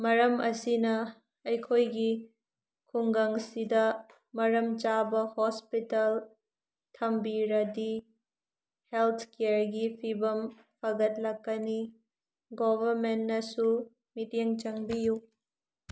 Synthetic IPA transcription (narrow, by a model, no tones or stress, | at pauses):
mɐɾɐmɐ̰sinɐ | ɐjkʰojɡi | kʰuŋɡɐŋsidɐ | mɐɾɐmt͡ʃabɐhospitɐl | tʰɐmbiɾɐdi | helt̪ʰkeɾɡipʰibɐm | pʰɐɡɐt̚lɐkːɐni | ɡobʱɐɾmentnɐsu | miteŋt͡ʃɐŋbiju